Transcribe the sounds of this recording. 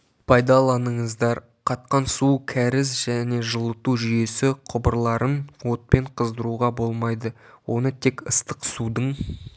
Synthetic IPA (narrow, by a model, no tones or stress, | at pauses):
pʰɑjd̪ɑlˠɑnəɴəzd̪ɑɾ | qʰɑt̪̚qɑnsukʲʰæɾɪzʒæne̞ʒəlˠət̪uʒʏje̞sɪqʰʊbəɾlˠɑɾənwo̞t̪̚pe̞ɴqʰəzd̪əɾuʁɑbo̞lˠmɑjd̪ə | wo̞nət̪ʰe̞kəst̪əqsud̪əɴ